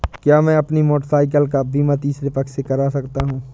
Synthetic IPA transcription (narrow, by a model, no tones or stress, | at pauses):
kjaːmɛ̃ɐpnimoːʈəɾsaːɪk̬əlkabʱiːmat̪iːsɾepɐksekɐɾaːsɐkt̪aɦũː